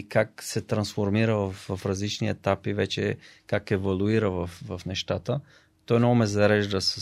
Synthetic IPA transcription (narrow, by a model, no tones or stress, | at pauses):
kak̚sɛt̪ɾɐnsfoɾmiɾəvɐfvɐfɾɐzlit͡ʃniɛt̪apivɛt͡ʃɛ̰kakɛvolˠuiɾəvɐfvɐfnɛʃt̪at̪ə | t̪ɔjnɔmɛzɐɾɛʒd̪əs